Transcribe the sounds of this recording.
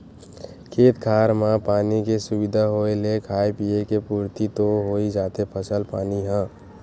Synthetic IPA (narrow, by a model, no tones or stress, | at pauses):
kʰeːt̪kʰaɾmãpaːnikesubid̪ʱaɦoelekʰajpijekepuɾt̪it̪oɦoid͡ʒaːt̪epʰəsəlpa̰ːniɦə̃